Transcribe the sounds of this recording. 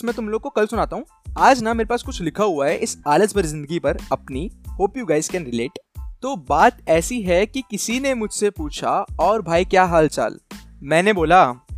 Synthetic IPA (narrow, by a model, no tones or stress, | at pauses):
smɛ̃ːt̪ʊmloːɡ̚kokɐlsʊnaːt̪aɦũː | aːd͡ʒnameːɾepaːskʊt͡ʃʰlɪkʰaɦʊaɦɛʔɪsaːləzbɐɾzɪ̃nd̪əɡipɐɾɐpnihoːpijuːɡaːɪzkɛːnɾɪleːʈt̪obaːt̪ɛːsiɦɛkikɪsinemʊd͡ʒʱsepuːt͡ʃʰa̰ɔːɾbʱaːikjaːɦaːlt͡ʃa̰ːlmɛ̃ːneboːlaː